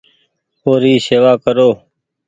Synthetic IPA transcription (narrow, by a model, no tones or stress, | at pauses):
oːɾiːseːʋaːkəɾoː